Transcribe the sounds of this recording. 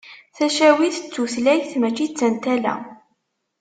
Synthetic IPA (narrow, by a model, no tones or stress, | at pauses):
θæʃæwiθə̥t͡sːuθlæjθmæt͡ʃːit͡sːənt̪ælæ̰